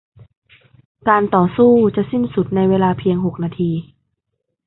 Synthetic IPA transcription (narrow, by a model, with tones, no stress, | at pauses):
kaː˧nt̪ɔː˨˩suː˥˩t͡ɕa˨˩ʔsi˥˩nsu˨˩t̪̚na˧jweː˧laː˧pʰi˧əŋɦo˨˩k̚naː˧t̪ʰiː˧